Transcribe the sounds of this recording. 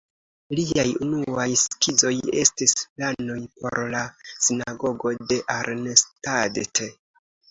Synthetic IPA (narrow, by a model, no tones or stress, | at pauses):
liajunuajskid͡zo̞je̞̰stisplano̞jpo̞̰ɾlasinaɡo̞ɡo̞de̞ʔaɾnestadte